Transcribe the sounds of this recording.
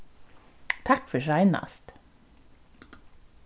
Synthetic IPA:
t̪ʰɑkfœʃæɪnɑ̰st̪

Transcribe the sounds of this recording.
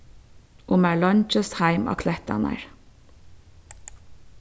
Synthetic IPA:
ʔʊmæːlɔnt͡ʃəshæɪmɑ̰kʰlɛt̪ɑ̰næ̰ɹ

